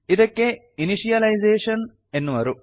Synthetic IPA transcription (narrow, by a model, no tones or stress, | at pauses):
iðokːe | iniʂijɐlɐjzeːʂɐn | e̞nːuʋɐɾu